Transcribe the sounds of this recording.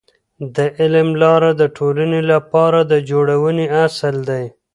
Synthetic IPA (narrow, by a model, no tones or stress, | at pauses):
d̪əʔɪlmlɑɾad̪əʈʰolanelapɑɾad̪əd͡ʒoɽawəneasəld̪aj